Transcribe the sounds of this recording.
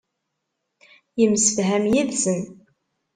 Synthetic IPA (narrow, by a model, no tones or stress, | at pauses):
jəmsəfɦæmjiðsən